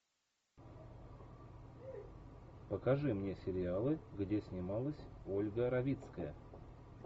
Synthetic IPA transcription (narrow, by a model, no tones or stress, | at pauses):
pəkɐʐɨmnʲe̞sʲɪɾʲɪalˠɨɡdʲesʲnʲɪmalˠəsʲo̞lʲɡəɾɐvʲit̪skəjə̰